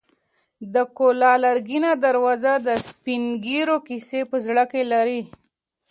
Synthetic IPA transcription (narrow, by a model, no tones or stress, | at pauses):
d̪əkolɑlaɾɡinad̪aɾwɑzad̪əspiŋɡiɾokisepəzɽəkelaɾi